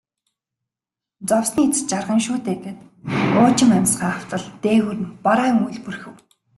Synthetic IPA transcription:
t͡sɔwsniːt͡st͡ɕarʁə̆ŋʃuːt̪eːɡeːt̪ | ʊːt͡ɕɪ̆ŋæmʲsɢaːaw̥t͡sə̆ɮt̪eːwɘ̆rnpaɾaːŋuɮpurxɘ̆w

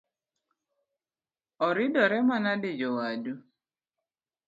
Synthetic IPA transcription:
ɔɾɪdɔɾɛmanadɪd͡ʒɔwadu

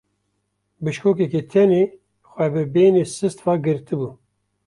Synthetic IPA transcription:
bɨʃkoːkɛket̪ʰɛneː | xʷɛbɨbeːneːsɨst̪vɑːɡɨɾt̪ɨbuː

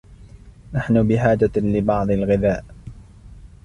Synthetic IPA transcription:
naħnʊbɪħaːd͡ʒalɪbɑʕd̪ˤɪlɣɪðaːʔ

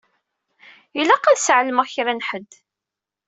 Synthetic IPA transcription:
ilæqːæðsʕləməʁçɾænħəd̪ː

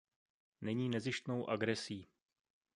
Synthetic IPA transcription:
nɛɲiːnɛzɪʃt̪nowʔaɡɾɛsiː

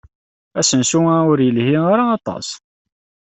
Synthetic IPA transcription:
æsənsuæʊɾjəlhiɾaːt̪ˤɑ̰s

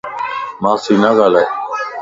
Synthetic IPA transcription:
mãːsiːnãːɡaːlaː

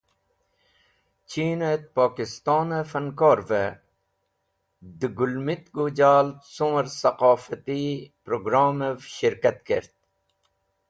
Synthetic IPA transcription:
t͡ɕiːnet̪̚paːkist̪ɑːnəfɐnkoːɾve | d̪ɨɡulmit̪ɡud͡ʑaːlt̪suməɾsɐqɑːfət̪ipɾoɡɾaːməvɕiɾkɐt̪keɾt̪̚

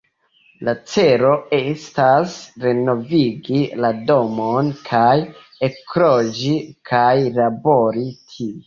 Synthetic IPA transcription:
lat͡se̞ɾo̞estasɾeno̞viɡilado̞monkʰaj | ekɾod͡ʒikʰajlaboɾitʰii

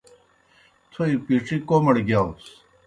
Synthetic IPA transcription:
t̪ʰoipiːʈ͡ʂʰikoːmɐɽɡjaːus

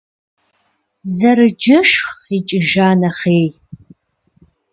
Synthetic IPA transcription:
zɐɾɨd͡ʒɐʂxiːt͡ʃʼɪʒaːnɐχeːj

